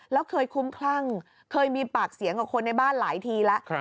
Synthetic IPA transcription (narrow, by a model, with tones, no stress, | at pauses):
lɛː˦˥wkʰɤː˧jkʰu˦˥mkʰla˥˩ŋ | kʰɤː˧jmiː˧paː˨˩k̚si˨˩˦ŋkaː˨˩kʰo˧nːa˧jbaː˥˩nlaː˩˦jt̪ʰiː˧la˦˥ʔ